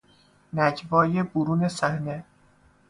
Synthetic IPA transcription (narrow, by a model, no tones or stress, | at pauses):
næɟvɒːjeboɾuːne̞sæhne̞